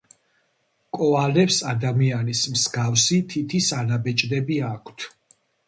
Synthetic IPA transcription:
kʼɔalɛpsad̪amianismsɡafsit̪ʰit̪ʰisanabɛt͡ʃʼd̪ɛbiakʰt̪ʰ

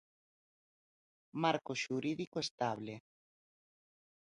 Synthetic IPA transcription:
maɾkoʃuɾiðikoest̪aβle

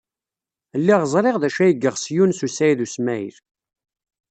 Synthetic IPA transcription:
lːiʁəzˤɾˤeʁðæʃæjəɡːəʁsjunsusæjðusmæj̰θ

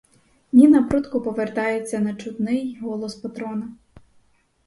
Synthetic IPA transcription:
nʲinɐpɾut̪kɔpɔʋert̪ɑjet͡sʲːɐnɐt͡ʃʊt̪nɪjɦɔlˠɔspɐt̪ɾɔnɐ

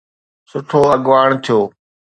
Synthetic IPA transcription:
sʊʈʰoːɐɠʋaːɳ̃t̪ʰijoː

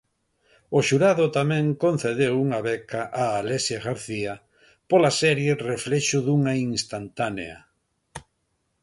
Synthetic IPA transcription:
oʃuɾaðʊt̪amɛ̃ŋkon̟θeð̞ewuŋaβɛkaʔaːlesjaɣaɾθia | polasɛɾjereflɛʃʊðuŋaiŋst̪ant̪anḛa̰

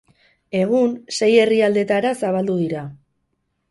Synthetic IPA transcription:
e̞ɣ̞unse̞je̞riald̪e̞t̪aɾasaβald̪uðiɾa

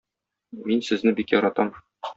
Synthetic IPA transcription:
minsɘ̆znɘbikjɒɾɑt̪ɑm

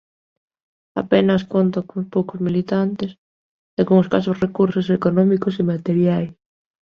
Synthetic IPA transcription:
a̰penɐskont̪okospowkozmilit̪ant̪es | d̪alɣuŋoskasosrekuɾsosekonɔmikosimat̪eɾjajs

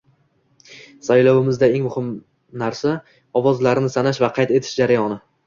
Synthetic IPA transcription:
sajlɒwɪmɪzd̪ae̞ŋmʊhɪm | naɾsa | ɒvɒzlaɾnɪsanaʃvaqʰɑjt̪e̞t̪ʰɪ̥ʃd͡ʒaɾajɒnɪ

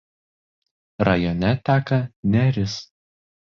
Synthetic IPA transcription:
ɾɐjɔnʲɛt̪ʲæːkɐnʲɛɾʲɪs

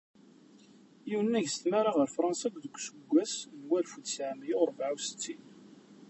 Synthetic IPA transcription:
jiwənːæʝsə̥t̪mæɾˤaʁəɾfɾˤɑnsæɡʷðəkʷːsəɡʷːæsnwælfud̪saʕmijʊɾˤbʕawsə̥t͡sːin

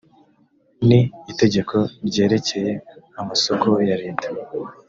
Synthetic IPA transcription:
niite̞ɟe̞kʰo̞ɾɟe̞ːɾe̞ce̞je̞ | amaso̞ko̞jaɾiːnteuɡuwa

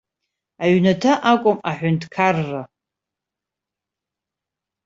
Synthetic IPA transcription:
aɥnatʰaʔakʷʼʊmaħʷʊntʰʼkʰarːa

